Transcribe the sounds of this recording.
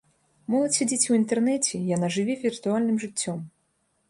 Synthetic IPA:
mɔlˠɐt͡sʲsʲad͡zʲet͡sʲwint̪ɛrnɛt͡sʲɛjanaʐɨvʲivʲirt̪ualʲnɨmʐɨt͡sʲːɔm

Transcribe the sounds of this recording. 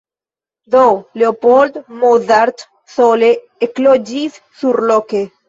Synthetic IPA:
d̪oleopold̪moðaɾt̪ | sole | eklod͡ʒis | suɾloke

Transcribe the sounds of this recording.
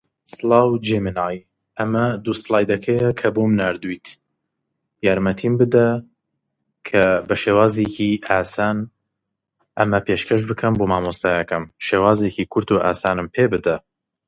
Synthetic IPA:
sɨlɑːwd͡ʒeminaːj | ʔɐmɐd̪uslˠaːjd̪ɐkʰɐjɐkʰɐbomnaːɾd̪ujt̪ʰ | jaːɾmɐt̪ʰimbɨd̪ɐ | kʰɐbɐʃeːwaːzekʰiʔaːsaːn | ʔɐmɐpʰeːʃkʰɐʃbɨkʰɐmboːmaːmost̪ajɐkɐmʃeːwaːzekiːkʰʊɾt̪ʰuːʔa̰ːsaːnɨmpʰeːbɨd̪ɐ

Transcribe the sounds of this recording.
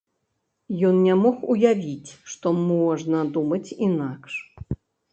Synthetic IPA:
jɔnnʲamɔxujavʲit͡sʲʂt̪ɔmɔʐnɐd̪umɐt͡sʲinakʂ

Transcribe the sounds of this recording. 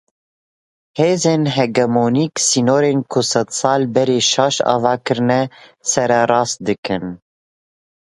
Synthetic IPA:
heːzeːnɦɛɡɛmoːniːksinoːɾeːnkʰʊsɛd̪sɑːlbɛɾeːʃɑːʃɑ̰ːvɑːkɨɾɨnɛsɛɾɛɾɑːst̪̚d̪ɨkɨn

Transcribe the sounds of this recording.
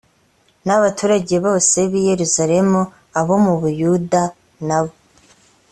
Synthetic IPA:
naβatuːɾaɟeβo̞ːse̞βije̞ɾuzaɾe̞mu | aβo̞muβujuda | naβo

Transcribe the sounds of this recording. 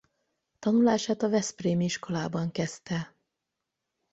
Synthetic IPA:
t̪ɒnulaːʃaːt̪ɒvɛspreːmiʃko̞laːbɒŋkɛst̪ɛ

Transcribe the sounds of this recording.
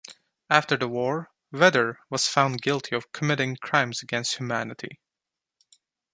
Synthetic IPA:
æftə˞ðəwɔɹ | vɛðə˞wʌz̥fãʊ̃nɡɪlˠtʰiʌv̥kʰəmɪɾɪ̃ŋkʰɹ̥ãɪ̃mzɨɡɛ̃nst̚hjʉmænɨɾḭ

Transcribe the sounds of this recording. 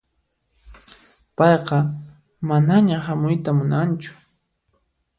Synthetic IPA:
pɑjqɑ | manaɲahamʊjt̪amʊnant͡ʃʊ̥

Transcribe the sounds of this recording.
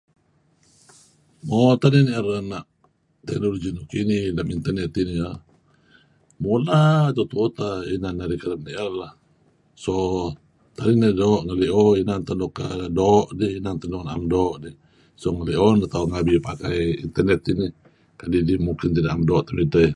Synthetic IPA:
mɔt̪aniniʔəɾanaʔ | t̪ɛk̚noloɡinukinilamint̪ərnɛt̪inia | molat̪ɔt̪ut̪ainanaɾikalamniʔərlah | sɔ | t̪aninadɔʔŋəliʔɔinant̪andɔka̰dɔʔdiinant̪andɔnaʔamdɔʔdi | sɔŋaliʔɔnat̪auŋabipakajḭnt̪ərnɛt̪ini | kadidimukint̪idaʔamdɔʔt̪amit̪əj

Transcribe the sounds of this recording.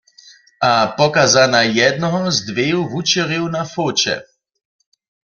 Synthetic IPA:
apɔkazanajɛd̪nɔɦɔzd̪ʋeːuɦut͡ʃɛʁjɛwnafoːt͡ʃɛ̰

